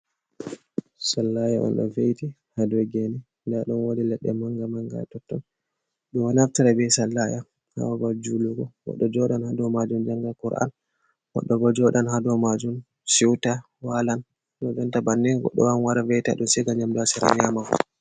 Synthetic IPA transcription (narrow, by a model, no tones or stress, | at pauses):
salːajaʔɔ̰nɗɔ̰vejti | hadwɛɡɛnɛ | ndaɗɔnwodilɛɗːɛ̰maŋɡamaŋɡa̰tɔtːɔ̰n | ɗɔwanaftiɾabɛsalːaja | ha̰wabad͡ʒuluɡɔwɔ̰ɗːɔd͡ʒɔɗanhadɔmad͡ʒumd͡ʒaŋɡakuɾa̰n | wɔ̰ɗːɔɡɔd͡ʒɔɗanhadɔmad͡ʒum | siwta | walan | ɗɔd͡ʒɛntabanːɛɡɔ̰ɗːɔwanwaɾavɛjta̰ɗɔnsɛɡaɲamlasɛɾa̰ɲamawɔ̰